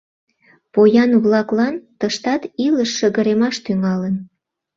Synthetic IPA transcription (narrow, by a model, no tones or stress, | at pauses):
pojɑnβlɑklɑnt̪əʃt̪ɑt̪iləʃːəɣə̆ɾemɑʃt̪yŋɑlən